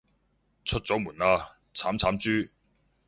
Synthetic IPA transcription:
t͡sʰɵ˥t̚t͡sɔː˨˥muː˨˩naː˧ | t͡sʰaː˨˥mt͡sʰaː˨˥mt͡syː˥

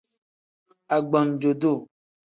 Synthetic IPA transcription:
a˨ɡ͡bɔ̃˨n˨d͡ʒo˨do˦˨

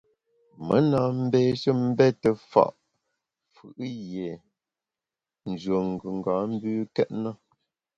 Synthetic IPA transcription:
mə˦na˨m̩˦beː˦ʃə˦m̩˦bɛ˦tə˨fa̰˨ʔ | fɯ˨ʔje˨ | n̩˨d͡ʒə˨ŋ̩˨ɡʉ˨ŋ˨ɡa˨˦m̩˦bʉː˦kɛ˦ʔnə˦

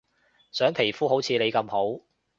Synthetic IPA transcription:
sœː˨˥ŋpʰe˨˩jfuː˥ho˨˥wt͡sʰiː˨˧ne˨˧jkɐ˧mho˨˥w

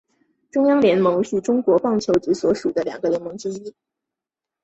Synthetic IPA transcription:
ʈ͡ʂʊ˥ŋjɑ˥ŋljɛ˧˥nmɤ˧˥ŋy˥˩ʈ͡ʂʊ˥ŋkwɔ˧˥pɑ˥˩ŋt͡ɕʰjo˧˥ʊʈ͡ʂ̩˧˥swɔ˧˥ʂu˨˩d̪ə˦ljɑ̰˨˩ŋɡə˦ljɛ˧˥nmɤ˧˥ŋʈ͡ʂɻ̩˥i˥

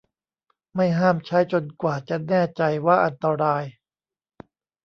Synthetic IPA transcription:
ma˥˩jɦaː˥˩mt͡ɕʰa˦˥jt͡ɕo˧nkwaː˨˩t͡ɕa˨˩nɛː˥˩t͡ɕa˧jwaː˥˩ʔa˧nt̪a˧ɾaː˧j

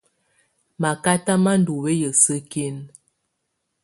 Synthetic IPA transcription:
ma˨ka˦ta˦ma˦n̩˦du˨we˦jə˨sə˦ke˦n

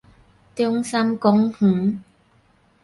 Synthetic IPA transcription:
t̪i˥ŋsɐ˥mkʊ˧˥ŋh̩˨˦

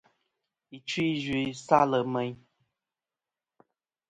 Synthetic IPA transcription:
i˨t͡ʃwi˦zi˨sa˦lə˨mɛ˦ɲ

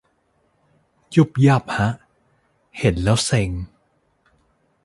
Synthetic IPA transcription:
ju˦˥˩p̚jaː˥˩p̚ha˦˥ʔ | he˩˦nlɛː˦˥wse˧ŋ

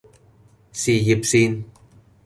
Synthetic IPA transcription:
si˨ji˧˩p̚si˦n

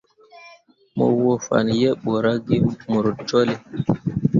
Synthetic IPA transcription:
mɔ̰˨wɔ˨fa̰˨n˨jɛ˦ɓɔ˨ɾa˦ɡi˦mu˨ɾd͡ʒɔ˦li˨

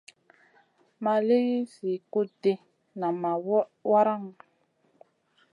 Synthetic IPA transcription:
ma˨le˦ɣi˦si˨ko˦de˨ | na˨ma˨˦wa˦ɾa˦˨ŋ

